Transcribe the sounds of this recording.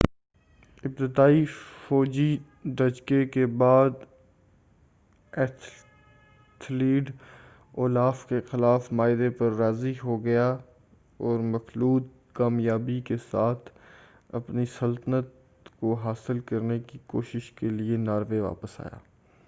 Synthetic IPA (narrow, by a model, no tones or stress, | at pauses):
ɪb̚t̪ɪd̪aːifɔːd͡ʒi | d̪ɐd͡ʒkekebaːd̪ | ɛːt̪ʰ | t̪ʰliːɖ | oːlaːfkexɪlaːfmaːɪd̪epɐɾːaːziɦoɡɐja | ɔːɾmɐxluːt̪̚ | kaːmjaːbikesaːt̪ʰ | ɐ̰pnisɐlt̪ənət̪̚ | koɦaːsɪlkɐɾnekikoːʃɪʃkelienaːɾʋeʋa̰ːpəsa̰ːja̰ː